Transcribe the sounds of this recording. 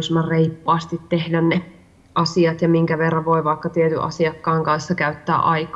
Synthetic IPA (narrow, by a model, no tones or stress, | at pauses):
smɑrreipːɑːst̪it̪tehdænne | ʔɑsiɑt̪jɑmiŋkæʋerːɑʋoiʋɑikːɑt̪iet̪y̰ʔɑ̰siɑkːɑːŋkɑnsːɑkæyt̪ːæ̰ːʔɑikɑ